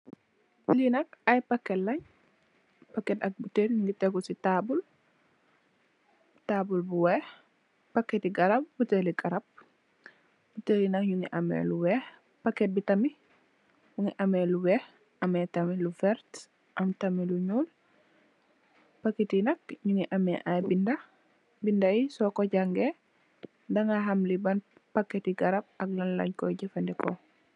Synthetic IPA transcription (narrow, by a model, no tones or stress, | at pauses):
linɐkɐjpɐkːɛtlɐɲ | pakːɛtɐk̚buteɾɲuŋɡitɛɡusitaːbul | taːbulbuwɛh | pɐkːɛtiɡɐɾɐp̚buteliɡʼɐɾɐb̚ | b̥utelinɐkɲuŋiʔɐmɛ̰luwɛːh | pɐkːɛt̚bitɐmi | buŋiʔɐmɛluwɛh | ʔɐmɛtɐmilufɛɾt | ʔɐmtɐmiluɲuːl | pakːetinɐk̚ɲuŋiʔɐmɛʔabindɐ | bindaisɔkɔɟaŋɡe | dɐŋaɦɐmlibɐnpakːetiɡɐɾɐb̚ɐklɐnlɐ̰ɲkɔɟifɐndɛkɔ̰